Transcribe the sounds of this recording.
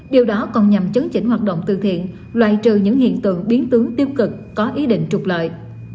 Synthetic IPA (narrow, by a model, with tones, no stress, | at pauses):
ɗi˨˩wɗɔ˨˦kɔ˨˩nɲa˨˩mt͡ɕə˨˦ŋt͡ɕï˧˥˩ŋ̟ɦwaː˨˩t̚ɗə̰˧˨wŋ͡mt̪ɨ˧˨t̪ʰḭ˧˨ən | lwa̰ː˧˨jt͡ɕɨ˨˩ɲɨ̰˧˥ŋhḭ˧˨ənt̪ɨ̰˧˨əŋɓi˨˦ənt̪ɨ˨˦əŋt̪i˧əwkɨ˨˩k̚ːɔ˨˦ʔi˨˦ɗḭ˧˨ŋ̟t͡ɕʊ˨˩k͡p̚lə̰ː˧˨j